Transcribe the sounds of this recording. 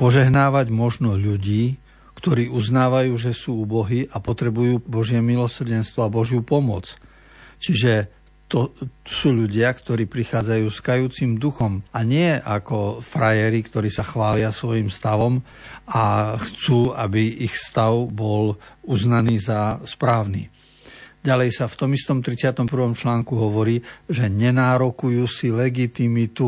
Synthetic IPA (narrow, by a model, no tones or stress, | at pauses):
pɔʒɛɦnaːʋaɟmɔʒnɔʎuɟiː | kt̪ɔɾiːuznaːʋajuːʒɛsuːubɔɦiʔapɔt̪ɾɛbujuːbɔʒɪɛmilɔsr̩ɟɛnst̪ʋɔabɔʒjupɔmʊɔt͡s | t͡ʃiʒɛ | t̪ɔsuːʎuɟɪakt̪ɔɾiːpɾixaːd͡zajuːskajuːt͡simd̪uxɔmaɲɪɛʔakɔfɾajɛɾikt̪ɔɾiːsaxʋaːlɪasʋɔjimst̪aʋɔm | axt͡suːabiixst̪aʊbɔluznaniːzaspɾaːʊnḭː | ɟalɛjsaft̪ɔmist̪ɔmt̪ɾit͡sɪat̪ɔmpr̩ʋɔmt͡ʃlaːŋkuɦɔʋɔɾiːʒɛɲɛnaːɾɔkujuːsilɛɡit̪imit̪u